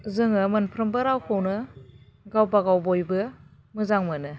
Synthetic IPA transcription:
zɯŋɯmɯnpʰɾɯmbɯɾawkʰownɯ | ɡawbaɡawbojbɯ | mɯzaŋmɯnɯ

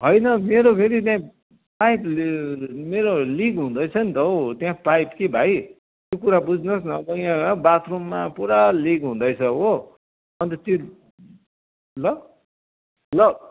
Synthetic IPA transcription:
ɦʌjnʌmeɾopʰeɾit̪̬jã | pajp | meɾoliɡɦũd̪ʌjt͡sʰʌnit̪ʌot̪jãpajpkebʱaj | t̪jokuɾabud͡zʱnʌsnʌbʌãbat̪romːapuɾaliɡɦũd̪ʌjt͡sʰʌo | ʌnt̪ʌt̪i | lʌ | lʌ

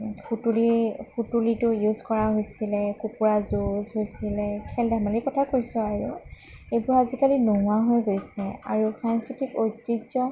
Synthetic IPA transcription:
kutulixutulitʊjuzkɔɹaɦojsilɛkupuɹazuzɦojsilɛkʰɛldamalikɔtʰakojsʊaɹu | ejbʊɹazikalinuɦʊaɦojɡojsɛa̰ɹukʰanstitibotɹiɡzɔ

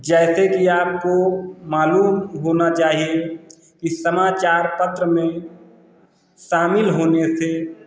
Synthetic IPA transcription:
d͡ʒɛːsekiaːp̚komaːluːmɦoːnat͡ʃaːɦie | kisəmaːt͡ʃaːɾpət̪ɾəmẽ | ʃaːmɪlɦoːnese

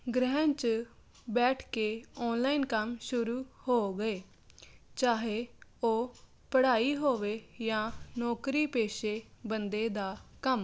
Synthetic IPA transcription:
ɡɾəɦənt͡ʃ | bɛːʈʰkeːɔːnlaːinkəmʃʊɾuːhoːɡəeː | t͡ʃaːɦeːoː | pəɽaːiːɦoːʋeːjãːnɔːkɾiːpeːʃeːbənd̪eːd̪aːkəm

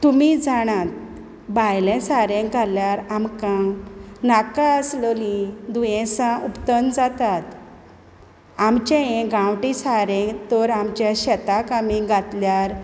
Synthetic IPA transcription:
t̪umid͡zaɽ̃ãt̪̚ | bajlɛ̃saɾẽɡʱaljaɾamkãnakaəslɔlid̪ujɛ̃sãʔupt̪ənd͡zat̪at̪ | amt͡ɕẽẽɡãwʈisaɾɛ̃t̪ɔɾamt͡ɕjaɕɛt̪akamĩɡʱat̪ljaɾ

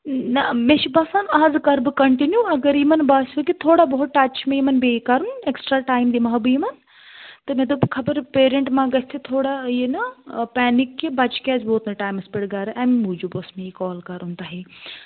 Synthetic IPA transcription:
nɐmẽʃibɐsaːnaːzkɐɾbɨkɐɳʈinjuɐɡɐɾimɐnbaːsukit̪ʰoːɽaboɦʊt̪ʈɐt͡ʃʰmẽimɐnbeːkaɾuneksʈɾaːʈaːjmd̪imaɦbɨimɐn | t̪ɨmẽd̪obkʰɐbəɾpeːɾẽɳʈmãːɡɐst̪ʰet̪ʰoːɽajenɐpɛːnikːibɐt͡ʃkɛːzboːt̪nɐʈaːjmɐspeɽɡaɾʔamimuːd͡ʒuboːsmeikɔːlkɐɾunt̪aːɦeː

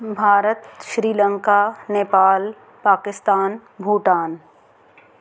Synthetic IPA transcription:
bʱaːɾət̪ʃɾiːlə̃ŋkaːneːpaːl | paːkɪst̪aːnbʱuːʈaːn

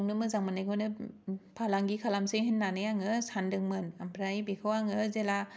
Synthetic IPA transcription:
ŋnɯmɯzaŋmɯnajɡɔnɯpʰalaŋɡikʰalamseɦɯnːanɯjaŋɯsandɯŋmɯnampʰɾaibikʰɯwaŋɯzela

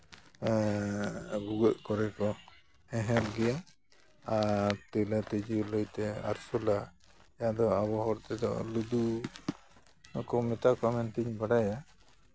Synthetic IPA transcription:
ɡuɡɔʔ̚kɔɾɛkɔ | ɛ̃ɦɛlɡɛja | at̪ɛlat̪id͡ʒulɔjt̪ɛa̰ɾsɔla | jad̪ɔaβɔɦɔɾt̪ɛd̪ɔ̰lud̪u | kɔmɛt̪akamɛnt̪iɲbaɽaja

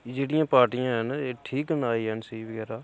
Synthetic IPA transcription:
d͡ʒeːɽɪjãːpaːɾʈijãːɦəneːʈʰiːkɦənaːiːɦənsəiʋəɡɛːɾaː

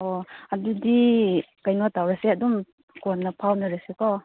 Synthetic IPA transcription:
oadudikajnotawɾaseɐdum | konːɐpʰawnɐɾasekɔ

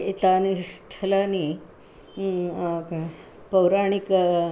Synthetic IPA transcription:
et̪anist̪ʰəlani | pəwɾaɳ̃ik

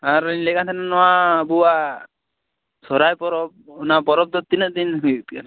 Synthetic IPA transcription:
aɾlɛkat̪ʰananɔabua | sɔɾajpɔɾɔb̚ɔnapɔɾɔb̚d̪ɔt̪ːinəd̪inŋit̪kan

